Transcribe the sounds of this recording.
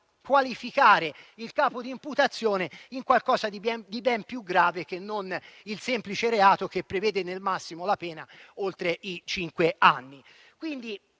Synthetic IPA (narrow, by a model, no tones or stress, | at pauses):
kwalifikaːɾeilkaːpod̪iːmput̪at̪sːjoːneiŋkwalkɔːzad̪iɛd̪ibɛmpjuɡɾaːvek̟enːonilsɛmplit͡ʃeɾeaːt̪ok̟epːɾevɛːd̪enelmasːimolapɛːnaolt̪ɾeʔit͡ʃiŋkweanːi | kwind̪i